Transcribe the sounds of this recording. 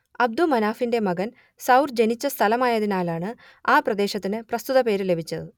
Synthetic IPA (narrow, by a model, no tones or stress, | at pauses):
ɐb̚d̪umɐnaːfinde̞mɐɡɐn | sɐwrd͡ʑenit͡ɕːɐst̪ʰɐlɐmaːjɐðinaːlaːɳɨ | aːprɐd̪e̞ːɕɐt̪ːinɨprɐst̪uðɐpe̞ːɾle̞bʱit͡ɕːɐðɨ